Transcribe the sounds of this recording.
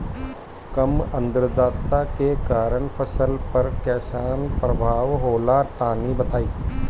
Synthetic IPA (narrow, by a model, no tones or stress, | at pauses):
kɐmə̃nd̪ɾəd̪aːt̪ːakekaːɾəɳpʰəsəlpɐɾkɛːsaːnpɾɐbʱaːʋɦoːlat̪aːnibɐt̪ʰaːiː